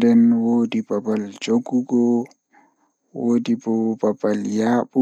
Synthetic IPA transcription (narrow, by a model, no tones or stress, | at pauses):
dɛnwoːdibabald͡ʒoɡuɡɔ | woːdibɔbabaljaːɓu